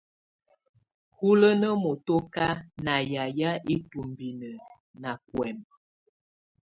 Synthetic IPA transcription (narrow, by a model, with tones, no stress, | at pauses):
hu˦lə˦nə˦mo˨to˦ka˦na˨ja˨ja˦ʔi˦tu˨mbi˨nə˨ | na˨kwɛ˨m